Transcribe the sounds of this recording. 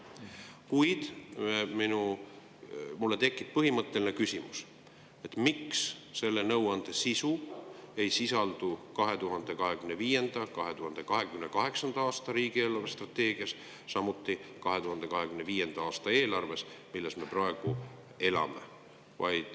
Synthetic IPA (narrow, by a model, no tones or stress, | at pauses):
kujd̪̥minu | mulːe̞t̪e̞kˑːip̚pɤɦimɤt̪ˑːe̞linekysʲimṵs | et̪ːˑmiksse̞lːe̞nɤwɑnd̪̥e̞sisue̞jsisɑld̪̥ukɑɦe̞t̪uɦɑnd̪̥e̞kɑɦe̞kymneviːje̞nd̪̥ɑkɑɦe̞t̪uhɑnd̪̥e̞kɑɦe̞kymnekɑɦe̞ksɑnd̪̥ɑɑːst̪ɑɾiːɡ̥ie̞ːlɑrʋest̪rɑt̪ːe̞ːɡ̥iɑs | sɑmut̪ˑːikɑɦe̞t̪uhɑnd̪e̞kɑɦe̞kymne̞viːje̞nd̪ɑɑːst̪ɑe̞ːlɑrve̞smilːe̞sme̞proe̞ɡ̥u | e̞lɑ̰me̞̰ | vɑ̰jd̪̥